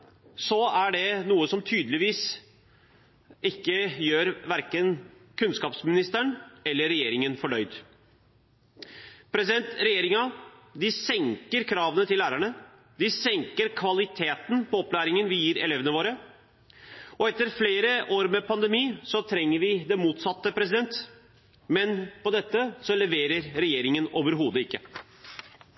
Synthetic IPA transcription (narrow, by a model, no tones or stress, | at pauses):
sɔæɖɛnuːəsɔmt̪ʰyːd̪lɪʋiːs | ɪkːəjøːɾʋæɾkənkʰʉnskɑːpsmɪnɪst̪əɳɛlːəɾːɛjeːɾɪŋənfɔɖœʏd̪ | pʰɾɛsɪd̪ɛnt̪ɾɛjeːɾɪŋɑd̪ɪsɛŋkəɾkʰɾɑːʋənət̪ʰɪlːæːɾæɳə | d̪ɪsɛŋkəɾkʰʋɑlɪt̪ʰeːt̪npʰɔɔplæːɾɪŋənʋɪjiːɾɛ̰lɛːʋənəʋoːɾə | ɔɛt̪ːəɾfleːɾəʔoːɾmɛpʰɑnd̪ɛmiːsɔt̪ʰɾɛŋːəɾʋɪd̪ɛmuːt̪sɑt̪ːəpʰɾɛs̬ɪd̪ɛnt̪ | mɛnpɔd̪ɛt̪ːəsɔlɛʋeːɾəɾɾɛjeːɾɪŋənoːʋəɾɦuːd̪əɪkːə